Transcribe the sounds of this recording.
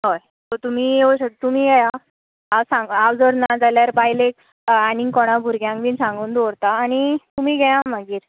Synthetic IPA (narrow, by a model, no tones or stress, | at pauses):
ɦɔj | t̪ot̪um̤iːoɕət̪um̤iːɡɛja | awsãŋɡawd͡zəɾnad͡zaljaɾbajlek̚ | aniŋkɔɽ̃abʱuɾɡjãŋkʋiːnsãŋɡuːnd̪oɾt̪aːɽ̃it̪um̤iːɡɛjãməɡiːɾ